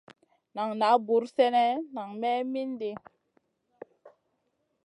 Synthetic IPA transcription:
na˨ŋna˨˦bu˨˦ɾsɛ˦nɛ˦na˨ŋmɛ˦mi˦nde˨

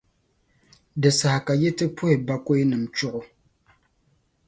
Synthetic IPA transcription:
dɨ˨sa˨ha˨ka˨jɛ˦tɨ˦pʰʊ˦hɪ˨ba˦ko˦i˦nɨ˨m˨t͡ʃʊ˦ʔʊ˦

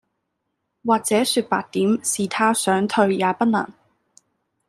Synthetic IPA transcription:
waː˨k̚t͡sɛː˨˥syː˧t̚pa̰ː˧k̚t̪iː˨˥msiː˨˩t̪ʰaː˥sœː˨˥ŋt̪ʰɵ˧ɥjaː˨˧˥pɐ˥t̚nɐ̰˨˩ŋ

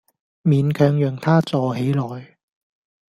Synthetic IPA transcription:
miː˨nkʰœː˧ŋjœː˨ŋt̪ʰaː˥t͡sɔː˧he˨˥jlɔː˨j

